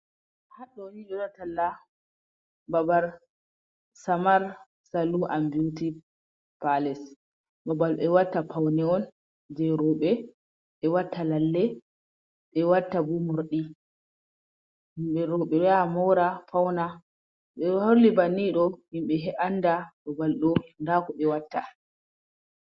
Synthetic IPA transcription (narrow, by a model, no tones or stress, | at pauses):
haɗɔniɗɔɗɔtalːa | babaɾ | samaɾ | saluʔambuti | palɛs | babalɓɛwatːapawnɛɔn | d͡ʒɛɾɔɓɛ | ɓɛwatːalalːɛ | ɓɛwatːabumoɾɗi | himɓɛɾɔɓɛɾɛamɔɾafawna | ɓɛholːibaniɗɔhimɓɛɦɛʔanːdaɓɔbalɗɔndakɔɓɛwatːa